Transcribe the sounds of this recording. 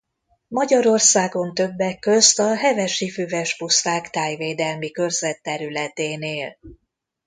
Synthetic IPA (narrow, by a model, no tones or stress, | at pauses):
mɒɟɒɾo̞rsaːɡo̞nt̪ø̞bːɛkːø̞st̪ɒɦɛvɛʃifyvɛʃpust̪aːkt̪aːjveːd̪ɛlmikø̞rzɛt̪ːɛɾylɛt̪eːneːl